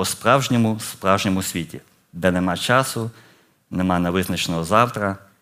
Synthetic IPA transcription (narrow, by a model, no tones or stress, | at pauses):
ɔspɾɑwʒnʲɔmʊspɾɑwʒnʲɔmʊsʲʋʲitʲḭ | d̪ɛnɛmɑt͡ʃɑsʊ | nɛmɑnɛʋɪznɐt͡ʃenɔɦɔzɑwt̪ɾɐ